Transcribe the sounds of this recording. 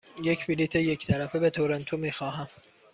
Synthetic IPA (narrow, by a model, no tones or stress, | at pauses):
jecʰbilit̪ʰejecʰt̪ʰæɾæfebet̪ʰoɾænt̪ʰomiːxɒːɦæm